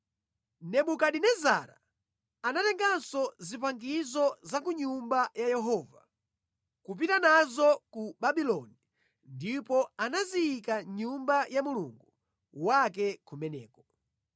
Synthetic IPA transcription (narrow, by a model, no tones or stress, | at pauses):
nɛɓukaɗinɛza̰ɾa̰ | anatɛŋɡansɔzipaŋɡizɔzakuɲumbajajɛɦɔːva | kup̬itanazɔkuɓaɓilɔni | ndipɔanaziikaɲumbajamulṵŋɡu | wak̬ɛkʰumɛnɛ̰ːkɔ